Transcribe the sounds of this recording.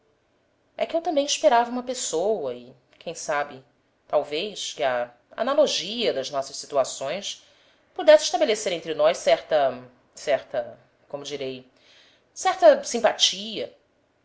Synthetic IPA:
ɛkɪewt̪ɐ̃mbẽj̃iʃpeɾavɐũmɐpesowɐɪ | kʰẽj̃sabɪ | t̪awvejskɪɐ | a̰naloʒiɐd̪ɐznɔsɐʃsit̪uasõj̃s | pud̪ɛsɪiʃt̪abeleseɾẽnt̪ɾɪnɔjʃsɛɾt̪ɐ | sɛɾt̪ɐ | kõmʊd͡ʒiɾej | sɛɾt̪ɐsĩmpat͡ʃiɐ

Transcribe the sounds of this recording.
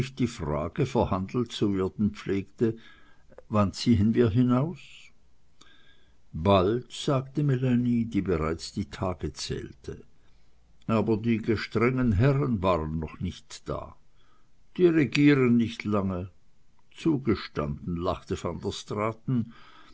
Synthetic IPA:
ɪçd̥iːfʁa̰ːɡ̥əfɛɐhandl̩tt͡suvɪːɐdn̩p͡fleːktə | vant͡siːənviːɐɦɪnaʊs | b̥altz̥aːktəmelanidiːbəʁaɪt͡sd̥iːtʰaːɡət͡sɛ̰ːltʰə | ʔaːbɐdiːɡəʃtʁ̥ɛŋənɦɛʁənvaːʁənːɔχnɪçtd̥a̰ː | d̥iːʁeɡiːʁənːɪçtʰlaŋə | t͡suːɡəʃta̰nd̥n̩la̰χtəfandəstʁ̥aːtn̩

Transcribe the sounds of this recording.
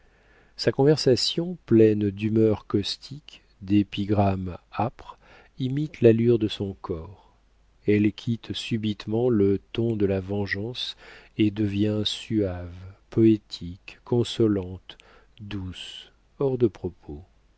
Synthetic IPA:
sakɔ̃vɛʁsasjɔ̃plɛnd̪ymœʁkɔst̪ʰik | d̪epiɡʁamapχ | imit̪lalyʁd̪əsɔ̃kʰɔʁ | ɛlkʲʰit̪sybit̪mɑ̃lət̪ɔ̃d̪əlavɑ̃ʒɑ̃sed̪əvjɛ̃syavpɔet̪ʰikːɔ̃sɔlɑ̃t̪ | d̪us | ɔʁd̪əpχɔpʰo

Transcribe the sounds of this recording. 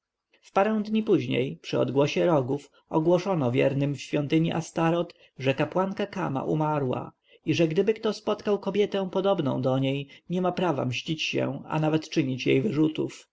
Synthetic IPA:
fpaɾɛ̃w̃d̪ɲipuʑɲḛjpʂɘɔ̰d̪ɡwɔɕɛɾɔɡuf | ɔɡwɔʂɔnɔvʲjɛ̰ɾnɘmfɕfʲjɔnt̪ɘɲiʔast̪aɾɔt̪ | ʐɛkapwankakama̰ʔumaɾwa̰ | iʐɛɡd̪ɘbɘkt̪ɔspɔt̪kawkɔbʲjɛt̪ɛ̃w̃pɔd̪ɔbnɔ̰̃w̃d̪ɔɲejɲɛmapɾava̰mɕt͡ɕit͡ɕɕɛ̰̃a̰navɛt̪t͡ʂɘɲit͡ɕjejvɘʐut̪uf

